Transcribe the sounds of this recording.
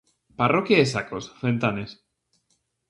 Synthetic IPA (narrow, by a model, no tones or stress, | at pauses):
parokjaesakosfent̪anes